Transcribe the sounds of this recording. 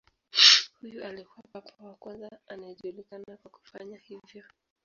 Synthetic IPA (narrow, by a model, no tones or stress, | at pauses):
hujuʔalikuwapapʰawakwanzaanaɛʄulikanakwaku̥faɲahivjɔ